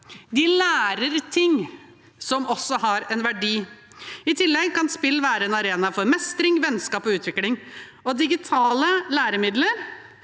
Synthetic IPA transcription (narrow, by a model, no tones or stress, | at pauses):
d̪ɪlæːɾəɾt̪ʰɪŋː | sɔmɔsːɔhɑɾɛnʋæɖiː | ɪt̪ʰɪlːɛɡkɑnspɪlːʋæːɾəɛnɑɾeːnɑfɔɾmɛst̪ɾɪŋʋɛnskɑːpɔʉːt̪ʋɪklɪŋɔd̪ɪɡɪt̪ʰɑːləlæːɾəmɪd̪ləɾ